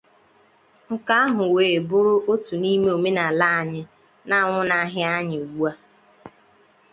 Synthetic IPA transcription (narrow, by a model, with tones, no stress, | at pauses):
ŋ̩˨ka˦a˦ɦʊ˨weː˨bʊ˦ɾʊ˦o˦tu˨ni˦me˦o˨me˦na˨la˦a˨ɲɪ˦ | na˦˨ŋʷʊ˦na˦ɦɪ˦a˦ɲɪ˨wu˦a˦